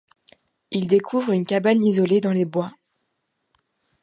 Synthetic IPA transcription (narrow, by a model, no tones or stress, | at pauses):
ild̪ekʰuvʁynkʲabanizɔled̪ɑ̃lebwa